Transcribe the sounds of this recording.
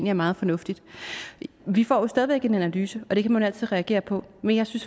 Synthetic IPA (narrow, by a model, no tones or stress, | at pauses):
n̰liæɐmɑ̈ːð̞̩ˠfɒ̽nɔ̽fd̥id̥ | ʋifɒ̰ːjo̝sd̥ɛðiʋeɡ̥e̝nænælyːsəɒ̽ɾ̥e̝kʰæmænæl̰t͡sʰið̞̩̰ˠʁɛæɡ̥e̝̰ːɐpʰɒ̽menjɑ̈ɪsyns